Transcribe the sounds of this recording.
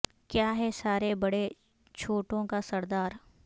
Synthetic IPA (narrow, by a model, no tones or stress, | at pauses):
kjaːɦɛsaːɾebɐɽe | t͡ʃʰoːʈõkasɐɾd̪aːɾ